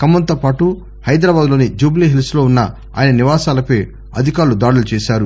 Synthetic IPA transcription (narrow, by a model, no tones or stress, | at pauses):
kɐmːɐnt̪oːpaːʈu | hɐjd̪ɾaːbaːd̪lo̞ːnid͡ʒuːbliːɦilslo̞ːunːɐ | a̰ːjɐnɐniʋaːsaːlɐpeː | ɐ̰d̪ʱikaːɾlud̪aːɽulut͡ʃɛːʃaːɾu